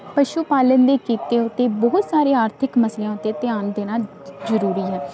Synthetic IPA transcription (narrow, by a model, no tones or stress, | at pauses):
pəʃuːpaːlənd̪eːkiːt̪eːʊt̪ːeːbɔɦʊt̪saːɾeːaːɾt̪ʰɪkməsleãːʊt̪ːeːt̪ɪjaːnd̪eːnaːl | zəɾuːɾiːɦɛː